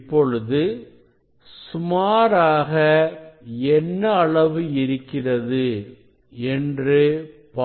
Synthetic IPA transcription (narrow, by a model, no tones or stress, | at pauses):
pːɔɻɯðɯ | sʊmaːɾaːɣɐ | ɛnːɐːɭɐʋɯɪɾɯkːɪrɐðɯ | ɛndrɯpː